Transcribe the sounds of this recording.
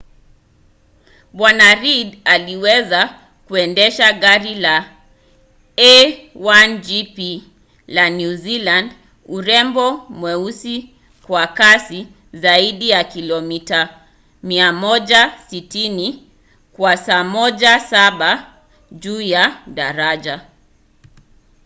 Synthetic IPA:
ɓwanaɾidaliwɛza | kuɛndɛʃaɠaɾila | ɛwand͡ʒipi | lanjuziland | uɾɛmbɔmwɛusi | kwakasi | zaiɗijakilɔmita | miamɔʄasitini | kwasamɔʄasaɓa | ʄuːjaɗaɾaʄa

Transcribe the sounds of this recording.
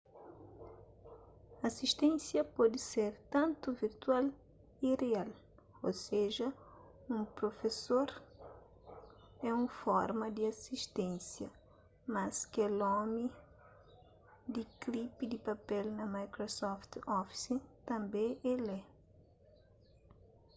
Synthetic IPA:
asiʃt̪ẽnsjɐpɔd̪ɪseɾt̪ɐ̃nt̪uviɾt̪wal | ireal | oseʒɐ | ũpɾofesoɾ | ɛũfɔɾmɐd̪iasiʃt̪ẽnsjɐ | mɐskɛlɔmi | d̪iklipid̪ɪpapɛlnɐmajkɾosɔft̪ɔfi̥sit̪ɐ̃mbẽɛlɛ

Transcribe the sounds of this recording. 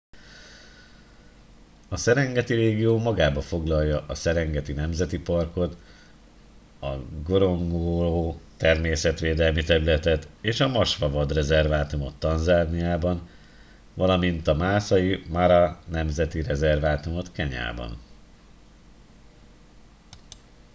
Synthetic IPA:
ɒsɛɾɛŋɡɛt̪iɾeːɡijoːmɒɡaːbɒfo̞ɡlɒjjːɒʔɒsɛɾɛŋɡɛt̪inɛmzɛt̪ipɒrko̞t̪ | ɒɡo̞ɾo̞ŋɡoloːt̪ɛrmeːsɛt̪ʋeːd̪ɛlmit̪ɛɾylɛt̪ɛt̪eːʃɒmɒʃʋɒvɒd̪rɛzɛrvaːt̪umo̞t̪ːɒnzaːnijaːbɒn | vɒlɒmint̪ɒmaːsɒjimaɾɒnɛmzɛt̪iɾɛzɛrvaːt̪umo̞t̪kɛɲa̰ːbɒ̰n

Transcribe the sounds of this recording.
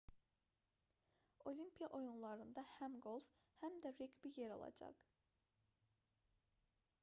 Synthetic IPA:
o̞lʲimpʰijɑʔo̞junlˠɑɾɯnd̪ɑhæmɡolˠf | hæmd̪æɾeɡbijeɾo̰lˠɑ̰d͡ʒɑ̰q

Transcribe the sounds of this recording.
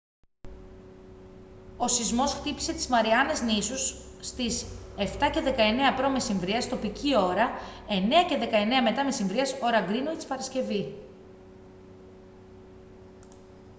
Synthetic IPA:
o̞sizmo̞sxt̪ipise̞t̪i̥zmɐɾiɐne̞znisusːt̪ise̞ft̪ɐce̞ðe̞kɐe̞ne̞ɐpɾo̞me̞siɱvɾiɐst̪o̞picʰio̞ɾɐe̞ne̞ɐce̞ðe̞kɐe̞ne̞ɐme̞t̪ɐme̞siɱvɾiɐso̞ɾɐɡɾinoit̪i̥spɐɾɐsce̞vi

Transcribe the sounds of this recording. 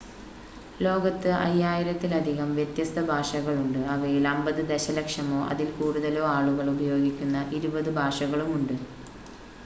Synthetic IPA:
lo̞ːɡɐt̪ːɨʔɐ̰jːaːjiɾɐt̪ːilɐd̪ʱiɣɐmʋjet̪jɐst̪ʰɐbʱaːʂɐɣɐɭuɳɖɨɐʋɐjilɐmbɐðɨd̪eɕɐlekʂɐmo̞ːʔɐ̰ðilkuːɽuðɐlo̞ːaːɭuɣɐɭubɐjo̞ːɡikʲːunːɐʔiɾubɐðɨbʱaːʂɐɣɐɭumuɳɖɨ

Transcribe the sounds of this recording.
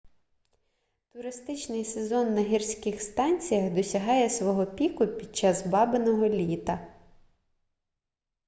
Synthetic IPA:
t̪ʊɾɪst̪ɪt͡ʃnɪjse̞zɔnːɐɦʲirsʲkɪxst̪ɑnʲt͡sʲijɐxd̪ɔsʲɐɦɑjɛsʋɔɦɔpʲikʊpʲid̪̚t͡ʃɑzbɑbenɔɦɔlʲit̪ɐ

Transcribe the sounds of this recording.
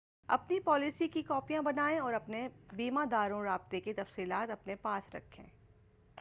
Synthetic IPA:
ɐ̰pnipɔːlisikikɔːpijãbɐnaːẽɔːɾɐpnebiːmãd̪aːɾõɾaːb̚t̪ekit̪ɐfsiːlaːt̪ɐpnepaːsɾɐ̰kʰːḛ̃ː

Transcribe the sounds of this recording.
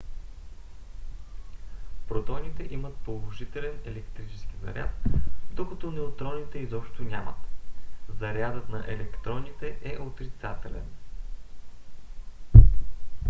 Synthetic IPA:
pɾot̪ɔnit̪ɛʔimət̪̚polˠoʒit̪ɛlɛnɛlɛkt̪ɾit͡ʃɛ̥sk̟ʲizɐ̰ɾʲʔa̰t̪d̪okɐt̪ɔnɛot̪ɾɔnit̪ɛizɔpʃt̪onʲa̰mə̰t̪zɐɾʲjad̪ət̪nɐʔɛlɛkt̪ɾɔnit̪ɛʔɛʔot̪ɾit̪sat̪ɛlɛ̰n

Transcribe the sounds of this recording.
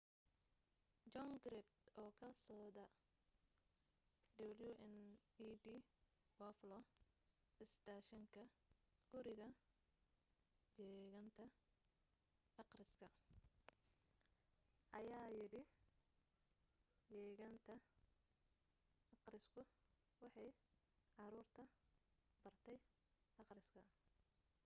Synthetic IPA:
d͡ʒɔŋɡɾɛd̪ɔːkʰɐsɔːd̪ɐ | d̪ɐβljuʔɛniːdiː | wɐflɔ | ʔɪst̪ʰaːʃɐŋkʰɐ | ɡ̥ʊɾɪɣɐ | jɛːɣɐnt̪ʰɐ | ɑqrɪskʰɐ | ʔɐjaːjɪɽɪ | jɛːɣɐnt̪ʰɐ | ɑqrɪskʰʊ | wɑħɑj | ʕɑɾuːrt̪ʰɐ | b̥ɐrt̪ʰɛj | ʔɑqrɪskʰɐ

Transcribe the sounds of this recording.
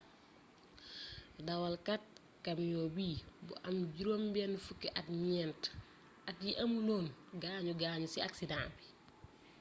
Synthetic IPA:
dɐwɐlkɐt̚ | kɐmjɔːbiːbṵʔɐmɟuɾoːmbɛnfukːɛʔɐtɲɛnt | ɐt̚jiʔɐmuloːnɡaːɲuɡaːɲusiɐksidaːbi

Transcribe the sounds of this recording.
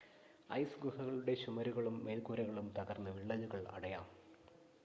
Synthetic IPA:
ɐ̰jsɡuɦɐɣɐɭuɽe̞ɕumɐɾuɣɐɭumːe̞ːlkuːɾɐɣɐɭumt̪ɐɣɐrnːɨʋiɭːɐluɣɐɭɐ̰ɽɐjaːm

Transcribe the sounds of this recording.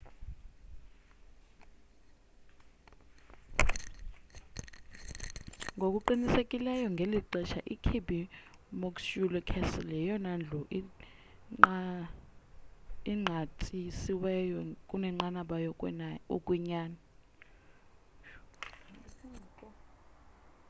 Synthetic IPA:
ŋʱok̬ʼuǃinisekʼilɛjɔŋɡʱeliǃɛʃa̰ʔikʰibimɔkʼʃulɔkʰɛsɔlɛjɔnand͡ɮʱɔʔi | iŋ͡ǃʱatʼisiwɛjɔkʼunɛŋ͡ǃanaɓajɔukʼwiɲaːna

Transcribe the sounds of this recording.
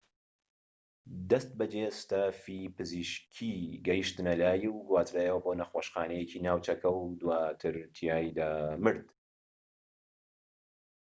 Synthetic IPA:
d̪ɐst̪̚bɐd͡ʒest̪aːfipɨziʃkʰiɡɐjɨʃt̪ɨnɐlaːjwɡwaːt̪ʰɾaːjɐwɐboːnɐxwoːʃxaːnɛjecinaːwt͡ʃɐkʰɐwd̪waːt̪ʰɨɾt̪ʰijaːjd̪amɨɾd̪

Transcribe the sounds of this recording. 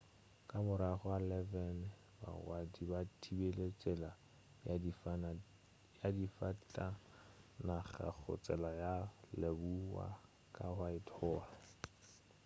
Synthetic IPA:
kʼamʊɾaχɔalɛvɛn | ba̰ɣwadibatʰibelet͡sʼɛla | jadifatʼa | naχa̰k͡xʰʊ̰t͡sʼɛlajalebuwa̰ | kʼahaɪtʰɔːla

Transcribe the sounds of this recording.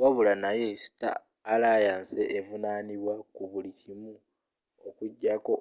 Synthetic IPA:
waβulanaje̞si̥ta̰ː | laːjaːnse̞ʔːvunaːniβwakuβulicimu | okuɟːako̞

